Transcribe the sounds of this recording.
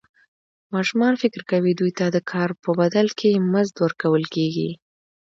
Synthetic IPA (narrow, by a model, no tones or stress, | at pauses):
mɑʃumɑnfɪkɾkawid̪ujt̪ad̪əkʰɑɾpəbad̪alkʰemazd̪wəɾkawəlkeɡḭ